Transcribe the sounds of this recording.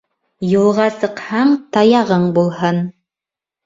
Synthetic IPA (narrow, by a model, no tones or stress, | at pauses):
julˠʁɑsɤ̆qhɑɴt̪ɑjɑʁɤɴbulˠɦɤn